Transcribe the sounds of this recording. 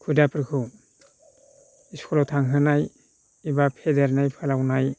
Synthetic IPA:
kʰudapʰɾkʰɯ | iskʰɔlowtʰaŋɦɯnaj | ibapʰedeɾnajpʰɯlawnaj

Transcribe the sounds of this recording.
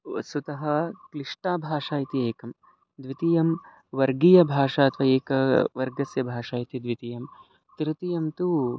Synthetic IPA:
sut̪ɐɦɐ̆klɪʂʈaːbʱaːʂaːjit̪ieːkɐm | d̪ʋit̪ijɐm | ʋɐɾɡijɐbʱaːʂaːt̪ʋɐeːkɐʋɐɾɡɐsjɐbʱaːʂaːjit̪id̪ʋit̪ijɐm | t̪ɾɪt̪ijɐmt̪u

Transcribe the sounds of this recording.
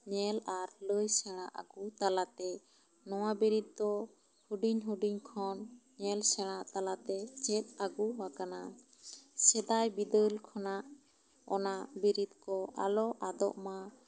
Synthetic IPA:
ɲɛlaɾləjsɛɽ̃aʔa̰ɡut̪alat̪ɛ | nɔwabiɾit̪̚d̪ɔ | huɖiɲɦuɖiɲkʰɔnɲɛlsɛɽ̃aʔt̪alat̪ɛt͡ʃɛt̪̚aɡuwakana | sɛd̪ajbid̪əlkʰɔnaʔ | ɔnaʔbiɾit̪̚kɔʔalɔʔad̪ɔ̰ʔma

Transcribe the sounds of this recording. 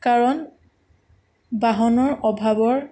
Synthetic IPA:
kaɹɔn | baɦɔnɔɹʔɔbʱabɔɹ

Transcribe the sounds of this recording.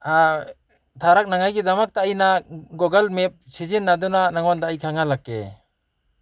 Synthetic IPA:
a | t̪ʰaɾak̚naŋajɡid̪amak̚t̪ajnaɡɔɡalmep̚sid͡ʒinːad̪unanaŋwɔnd̪ajkʰaŋalakːḛ

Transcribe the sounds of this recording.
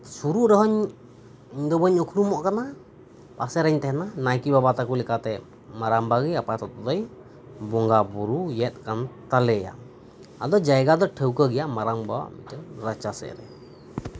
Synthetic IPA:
suɾuʔɾɔɦɔɲ | d̪ɔbəɲukʰuɾumɔʔkana | pasɛɾɛɲt̪ɛhnanajkibabat̪akulɛkat̪ɛ | maɾambaɡijapat̪ɔt̪ɔd̪ɔj | bɔŋɡabuɾujɛt̪̚ˀkant̪alɛja̰ | ad̪ɔd͡ʒajɡad̪ɔʈʰəwkəɡɛjaʔmaɾaŋba̰mitəɾat͡ʃasɛ̰ʔɾɛ

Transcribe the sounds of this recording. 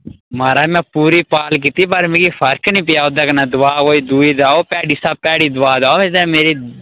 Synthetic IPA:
maːɾaːmɛ̃ːpuːɾiːpaːlk̬iːt̪iːpəɾmẽːkiːpʰəɾknĩːp̬ɪjaːʊd̪aːkənaːd̪ʊʋaːkoːiːd̪uːiːd̪aːoːpɛːɽiːsapɛːɽiːd̪ʊaːd̪aːoed̪ɛ̃ːmeːɾiː

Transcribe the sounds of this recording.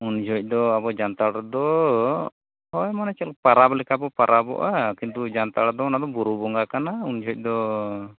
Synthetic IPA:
und͡ʒʱɔc̚ˀd̪ɔabɔd͡ʒant̪aɽd̪ɔ | ɦɔjmanat͡ʃɛlpaɾabɔlɛkʰabɔpaɾabɔ̰ʔakint̪ud͡ʒant̪aɽad̪ɔɔnad̪ɔbuɾubɔŋɡakanaund͡ʒʱɔc̚ˀd̪ɔ

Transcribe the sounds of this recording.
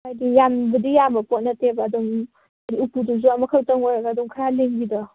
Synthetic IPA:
ajdijambɐdijambɐpot̚nɐtebaːduŋ | aɾiupuduzuamɐkʰawtaŋojɾaɡaːdɔŋkʰɾaleŋbidɔ

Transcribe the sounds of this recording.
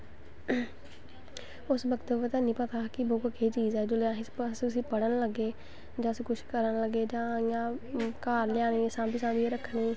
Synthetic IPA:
ʊsbəkt̪opət̪aːnĩːpət̪aːkɪboːkəkʰeːt͡ʃiːzɛːd͡ʒoːleãːɦɪssʊsĩːpəɽənləɡeː | d͡ʒãːsĩːkʰʊʃkəɾənləɡeːd͡ʒãːɪjãːkaːɾlɪjãːniːsãːpɪsãːd̪ieɾəkʰːɳiː

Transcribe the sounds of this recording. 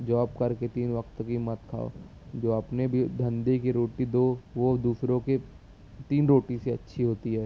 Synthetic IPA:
d͡ʒaːbkɐɾket̪iːnʋɐkt̪kimɐt̪kʰa̰ːo̰ | d͡ʒoːɐpnebʱid̪ʱɐ̃nd̪ikiɾoːʈid̪oːʋod̪uːsɾõke | t̪iːnɾoːʈiseɐtːʃʰiɦoːt̪iɦɛː

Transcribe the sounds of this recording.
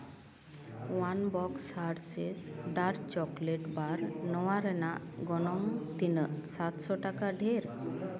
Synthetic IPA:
wanbɔksaɾsesɖaɾt͡ʃɔkleʈbaɾnɔwaɾɛnaʔɡɔnɔŋt̪inəʔsat̪sɔʈakaɖʱeɾ

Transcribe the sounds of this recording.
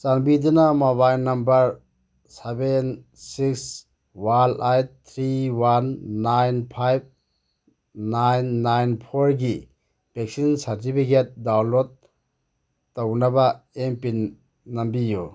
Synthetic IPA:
sanbidɯnamaβajnɐmbɐɾ | seben | siks | walajtt̪ʰɾiwanːajnpʰajb̚ | najnːajnpʰoɾɡi | b̥ek̚sinsaɾtipʰiket̚dawlot̚ | ownɐbaempinː | ɐmbijo

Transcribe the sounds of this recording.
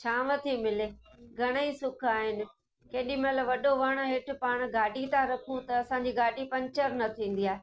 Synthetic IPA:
t͡ɕʰaːʋɐt̪ʰimɪleːɡʱɐɽ̃əisʊkʰaːɦɪnɪ̆ | keːɗĩmɐləbʋɐɗoʋɐɽ̃ʊ̆ɦɪʈʰʊ̆paːɽ̃ɡaːɖʱit̪ʰaɾɐkʰũt̪ɐɐsãɲ̆d͡ʑiɡaːɖʱipɐ̃ɲt͡ɕəɾnɐt̪ʰĩːn̆d̪ijaːe

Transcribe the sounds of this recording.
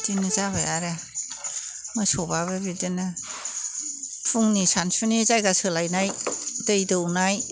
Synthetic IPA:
tinɯzaβajaɾa | mɯsɔbaβabidɯnɯ | pʰuŋnisansunizajɡasɯlajnajtɯjdɯwnaj

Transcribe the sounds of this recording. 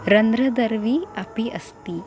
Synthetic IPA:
ɾənd̪ɾəd̪əɾʋiːapiʔəst̪i

